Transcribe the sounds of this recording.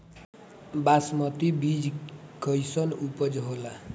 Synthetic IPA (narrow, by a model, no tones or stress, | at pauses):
basmʌt̪ibid͡ʒkʌjsʌnupʌd͡ʒɦola